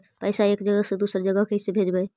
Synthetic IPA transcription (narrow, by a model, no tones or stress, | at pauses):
pəjsaekd͡ʒəɡəsẽd̪usəɾd͡ʒəɡəɦkeɦisebʱed͡ʒbəj